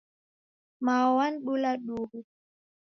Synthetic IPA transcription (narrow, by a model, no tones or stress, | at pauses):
maːwanɗulaɗuːɡu